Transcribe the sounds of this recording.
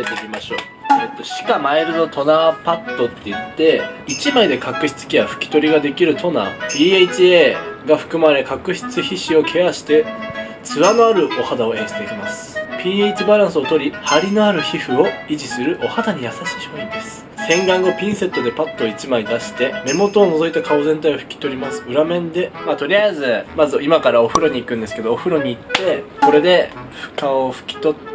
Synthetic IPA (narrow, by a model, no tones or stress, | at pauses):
et̪eimaɕo̞̰ː | et̪ːoɕi̥kamaeɾɯ̟no̞t̪ʰo̞napat̪ːo̞t̪ːe̞it̪ːe̞it͡ɕimaid̪e̞kʰakɯ̟çi̥t͡sɨ̥kʲiaɸɯ̟̥kʲi̥t̪o̞ɾʲiɡad̪e̞kʲiɾɯ̟t̪ʰo̞na̰pʲiːeit͡ɕieːɡaɸɯ̟̥kɯ̟maɾe̞kakɯ̟çi̥t͡sɨçiɕio̞kʰe̞aɕi̥t̪e̞ | t͡sɨβano̞aɾɯ̟ʔo̞had̪ao̞ẽ̞ɰ̃ɕit̪e̞kʲimasɨ̥pʲiːeit͡ɕibaɾãɰ̃sɨo̞t̪o̞ɾʲihaɾʲinoaɾɯ̟çiɸɯ̟o̞iʑisɨɾɯ̟ʔo̞hat̪aɲ̟ijasaɕi̥ːçooĩnd̪e̞sɨ̥sẽ̞ŋɡãŋɡo̞pʲĩɰ̃se̞t̪ːo̞d̪e̞pat̪ːoit͡ɕimaid̪aɕi̥t̪e̞me̞mo̞t̪o̞ːno̞zo̞it̪akʰaozẽ̞nt̪aioɸɯ̟̥kʲi̥t̪o̞ɾʲimasɨ̥ɯ̟ɾamẽ̞nd̪e̞maːt̪o̞ɾʲiaizɨmazɨimakaɾao̞ɸɯ̟ɾo̞ɲ̟iːkɯ̟̃nd̪eske̞d̪oːɸɯ̟ɾo̞ɲ̟iːt̪ːe̞ko̞ɾe̞d̪e̞ɸɯ̥kaoɸɯ̟̥kʲi̥t̪o̞t̪